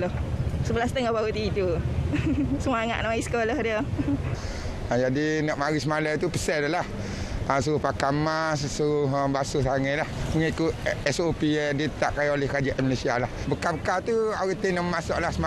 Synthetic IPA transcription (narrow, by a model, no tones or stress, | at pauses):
lohsəbəlast̪əŋɔhbaut̪it̪u | səmaŋa̰ʔ̪̚nɔisə̥koləhdiə | əd͡ʒadinɔʔmaɾismalat̪upə̥sɛtlah | əsuɾʊhpakamassuɾʊɦəbasʊsaŋɛlahməŋikʊt̪̚ɛsopiɛdiət̪aʔkajiolɛhkəɾad͡ʒaʔɛməlesialahbəkabəkat̪uaɣit̪inɔʔmmasɔʔlahsəma